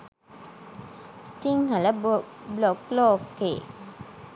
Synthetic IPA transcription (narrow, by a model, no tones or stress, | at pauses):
siŋɦalə | blɔklɔkːḛ